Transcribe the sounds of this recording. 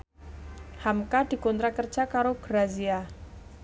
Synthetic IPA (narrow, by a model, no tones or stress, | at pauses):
hamkad̪̥i̤kɔnt̪ɾakərdd͡ʒʒ̥akaɾoɡ̥ɾazia